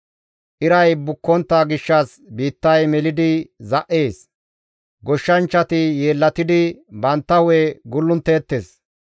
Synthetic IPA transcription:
ʔɪɾɐjbʊkːɔnt̪ːaːɡɪʃːɐs | biːt̪ːɐjmɛlɪd̪ɪzɐʔːe̞ːs | ɡɔʃːɐnt͡ʃːɐt̪ɪje̞ːlːɐt̪ɪd̪ɪbɐnt̪ːɐweɡʊlːʊnt̪ːeːt̪ːeːs

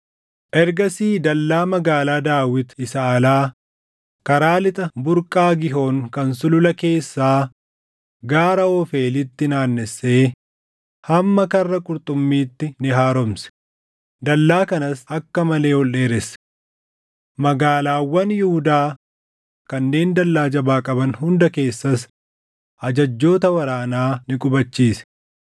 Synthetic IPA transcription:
ʔɛɾɡɐsiːd̪ɐlːaːmɐɡaːlaːd̪aːwɪt̪ɪsɐːlaː | kɐɾaːlɪt̪ʼɐbʊɾkʼaːɡɪɦo̞ːŋkɐnsʊlʊlɐke̞ːsːaː | ɡaːɾɐɔfe̞ːlɪt̪ːɪnaːnːɛsːe̞ː | hɐmːɐkɐrːɐkʼʊɾt̪ʼʊmːiːt̪ːɪnɪɦaːɾɔmsɛ̥ | d̪ɐlːaːkɐnɐsɐkːɐmɐle̞ːɔlːe̞ːɾɛsɛ̥ | mɐɡaːlaːwːɐnjɪhʊd̪aː | kɐnːe̞ːnd̪ɐlːaːd͡ʒɐbaːkʼɐbɐnhʊnd̪ɐke̞ːsːɐs | ʔɐd͡ʒɐd͡ʒːo̞ːt̪ɐwɐɾaːnaːnɪkʼʊbɐt͡ʃːiːsɛ̥

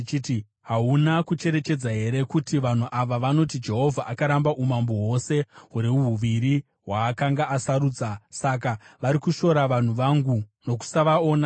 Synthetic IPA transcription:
t͡ʃiti | ɦaunakut͡ʃe̞ɾe̞t͡ʃe̞d͡zaɦe̞ɾe̞kutiʋan̤uʔaʋaʋano̞tid͡ʒe̞ɦo̞vʱaʔakaɾambaʔumamboɦwo̞se̞ɦuɾiuɦuʋiɾi | ɦwaːkaŋɡaʔasaɾuːd͡zasak̬aʋaɾikuʃo̞ɾaʋan̤uʋaŋɡuno̞ku̥saʋaoːna

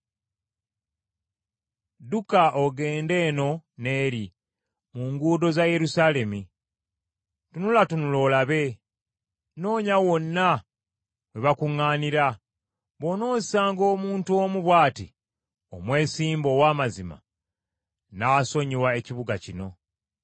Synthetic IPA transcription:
dukaʔoɡe̞ːnde̞ːno̞ne̞ːɾi | muːŋɡuːdo̞zaje̞ɾusale̞mi | tunulatunulo̞laβe̞ | no̞ːɲawo̞nːa | weβakuŋːaːniɾa | βo̞no̞ːzsaːŋɡo̞ːmuːntuomuβwaːti | o̞mwe̞ːsiːmbo̞waːmazima̰ | naːso̞ɲiwae̞ciβuɡacino̞

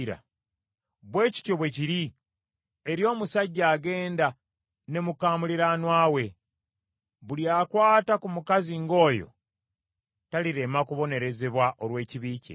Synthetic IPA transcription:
ɾa̰ | βwe̞ːci̥to̞βwe̞ciɾi | eɾjo̞ːmusaɟːaːɡe̞ːnda | ne̞mukaːmuliɾanwaːwe̞ | βuljaːkwaːtakumukaziŋɡo̞ːjo̞̰ | taliɾe̞makuβo̞ne̞ɾe̞ze̞βwaʔolwe̞ːciβiːcḛ

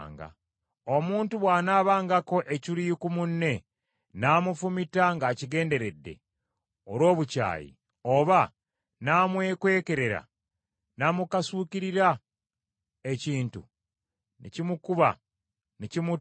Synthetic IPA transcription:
ŋɡa̰ | o̞muːntuβwaːnaːβaːŋɡako̞ʔecilikumunːe̞ | naːmufumitaŋɡaːciɡe̞ːnde̞ɾe̞dːe̞̰ | oɾwo̞ːβuca̰ːjḭ | o̞βa | naːmwe̞ːkwe̞ːke̞ɾe̞ɾa̰ | naːmukasuːkiɾiɾa | e̞ciːntu | nḛcimukuβa | necimu

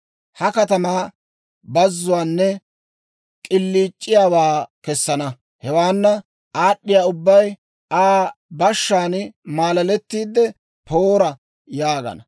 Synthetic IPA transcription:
hɐkɐt̪ɐmaː | bɐzːʊwaːnːɛ | kʼɪlːiːt͡ʃʼːɪjaːwaːkɛsːɐnɐ | hɛwaːnːɐ | aːɗːɪjaːʊbːɐj | aːbɐʃːaːnmaːlɐlɛt̪ːiːd̪ːɛ | pʰoːɾɐ | jaːɡɐ̰nɐ

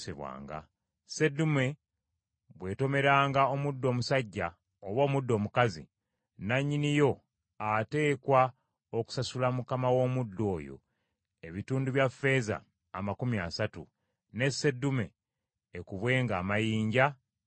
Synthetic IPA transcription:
sḛβwa̰ːŋɡa̰ | se̞dume̞ | βwe̞ːto̞me̞ɾaːŋɡao̞mudːo̞ːmusaɟːa | oβo̞ːmudːo̞ːmukazḭ | naɲːinijo̞ | ate̞ːkwa | oku̥sasulamukamawo̞ːmudːo̞ːjo̞̰ | e̞βituːnduβjafːe̞za̰ː | makumiasatṵ | ne̞se̞dːume̞ː | kuβwe̞ːŋɡaːmajiːɲɟa

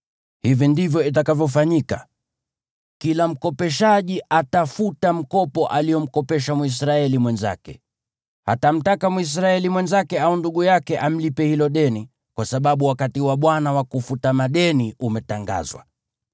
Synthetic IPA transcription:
hivindivjɔit̬akavjɔfaɲika | kilam̩kɔpɛʃaʄiatafutam̩kɔpɔʔaliɔm̩kɔpɛʃamwis̬ɾaɛlimwɛnza̰kɛ̰ | ha̰tam̩takamuis̬ɾaɛlimwɛnzakɛaunduɠujakɛʔam̩lipɛhilɔɗɛni | kwasaɓaɓuwakatiwaɓwanawakufutamaɗɛniumɛtaŋɡa̰zwa̰

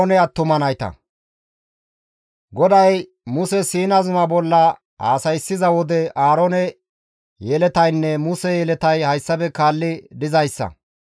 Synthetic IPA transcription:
nɛɐt̪ːʊmɐnɐjt̪ɐ̰ | ɡɔd̪ɐj | mʊsɛsiːnɐzʊmɐbɔlːɐ | a̰ːsɐjsːɪzɐwɔd̪ɛaːɾɔnɛ | jɛlɛt̪ɐjnːɛmʊsɛjɛlɛt̪ɐjhɐjsːɐbɛkaːlːɪd̪ɪzɐjsːɐ̰

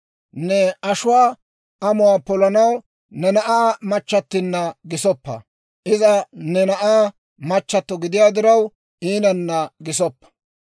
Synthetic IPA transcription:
nɛɐʃʊwaː | ʔɐmʊwaːpɔlɐnɐw | nɛnɐʔaːmɐt͡ʃːɐt̪ːɪnːɐɡɪsɔpːɐ̰ | ʔɪzɐnɛnɐʔaː | mɐt͡ʃːɐt̪ːɔɡɪd̪ɪjaːd̪ɪɾɐw | ʔiːnɐnːɐɡɪsɔpːɐ̥

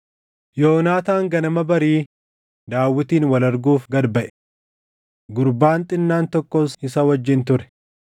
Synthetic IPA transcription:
jo̞ːnaːt̪aːŋɡɐnɐmɐbɐɾiː | d̪aːwːɪt̪iːnwɐlɐɾɡuːfɡɐd̪bɐʔɛ̥ | ɡʊɾbaːnt̪ʼɪnːaːnt̪ɔkːɔsɪsɐwɐd͡ʒːɪnt̪ʊɾɛ̥

